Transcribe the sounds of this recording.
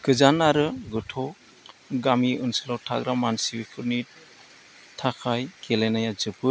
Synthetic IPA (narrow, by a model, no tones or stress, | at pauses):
kɯzanaɾɯɡɯtʰɔ | ɡamiɯnsɯlawtʰa̰ɡɾamansiwikʰɯɾni | tʰakʰajkelenajazɯbɯ